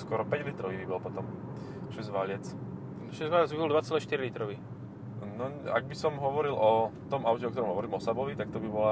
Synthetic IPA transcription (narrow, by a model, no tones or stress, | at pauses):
skɔɾɔpɛɟlit̪ɾɔʋiʋibɛlpɔt̪ɔm | ʃɛzʋaʎɛt͡s | ʃɛzʋaʎɛd͡zʋibɔld̪ʋat͡sɛlɛːʃt̪iɾilit̪ɾɔʋi | nɔa̰ɡ̚bisɔmɦɔʋɔɾilɔt̪ɔmaʊcɛɔk̚t̪ɔɾɔmɦɔʋɔɾiːmɔsabɔʋit̪ak̚t̪ɔbibɔla